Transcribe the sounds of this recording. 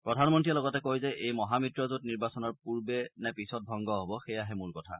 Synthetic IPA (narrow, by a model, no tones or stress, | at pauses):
pɹɔdʱanmɔntiɛlɔɡɔtɛkojzɛʔejmɔɦamitɹɔzutniɹbasɔnɔɹpuɹbɛnɛpisɔt̚bʱɔŋɡɔɦobɔxejaɦɛmʊɹkɔtʰa̰